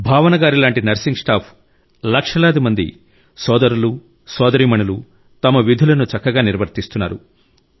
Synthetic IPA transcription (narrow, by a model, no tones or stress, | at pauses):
bʱaːʋɐnɐɡaːɾilaːɳʈinɐɾsiŋɡsʈaːpʰ | lɐkʂɐlaːd̪imɐnd̪ḭ | sɔːd̪ɐɾulu | sɔːd̪ɐɾiːmɐɳulu | t̪ɐmɐʋid̪ʱulɐnut͡ʃɐkːɐɡaːniɾʋɐɾt̪ist̪unːaːɾṵ